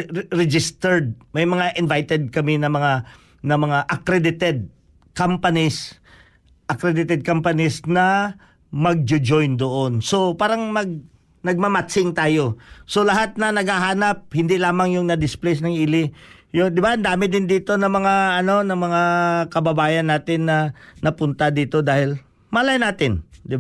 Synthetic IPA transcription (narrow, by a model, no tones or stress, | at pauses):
ɾɛd͡ʒɪst̪ɛɹd̪̚mɐjmɐŋaʔɪnvajt̪ɛd̪̚kɐmɪnɐmɐŋa | nɐmɐŋaʔɐkɾɛd̪ɪt̪ɛd̪̚ | kampɐnɪs | ʔɐkɾɛd̪ɪt̪ɛd̪̚kampɐnɪsnɐ | mɐɡ̚d͡ʒʊd͡ʒojnd̪oʔonso̞paːɾɐŋmɐɡ̚ | nɐɡ̚mamat̪sɪŋt̪aːjo̞so̞lɐɦat̪̚nɐnɐɡhaɦaːnɐp̚hɪnd̪ɪlaːmɐŋjʊŋnɐd̪ɪsplɛsnɐŋʔiːlɪ | jod̪ɪbaʔɐnd̪aːmɪd̪ɪnd̪iːt̪o̞nɐmɐŋaɐno̞nɐŋmɐŋakɐbɐbaːjɐnːaːt̪ɪnːɐnɐpʊnt̪ad̪iːt̪o̞d̪aːhɪl | malajnaːt̪ɪnd̪ɪba